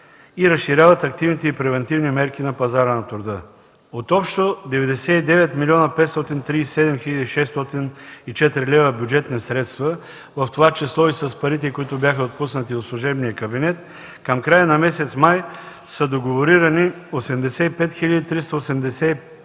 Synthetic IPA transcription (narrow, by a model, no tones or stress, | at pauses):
iɾɐsʃiɾʲjavɐt̪ɐk̚t̪ivnit̪ɛipɾɛvɛnt̪ivnimɛɾkinɐpɐzaɾənɐt̪ɾʊd̪ə | ot̪ɔpʃt̪od̪ɛvɛd̪ɛsɛid̪ɛvɛt̪milʲiɔnɐpɛt̪st̪ɔt̪int̪ɾiːssɛd̪ɛmxilʲɐd̪iʃɛst̪ɔt̪init͡ʃɛt̪ɾilɛvəbjud͡ʒɛt̪nisɾɛt̪st̪və | vɐft̪ovat͡ʃɛslˠɔisɐspɐɾit̪ɛkoit̪ʊbjaxɐot̪̚pusnət̪iot̪slˠuʒɛbnijəkɐbinɛt̪ | kɐmkɾajənɐmɛsɛt̪smaj | səd̪oɡovoɾiɾɐni | osɛmd̪ɛsɛipɛt̪xiʎʲɐd̪it̪ɾist̪ɐosɛmd̪ɛsɛi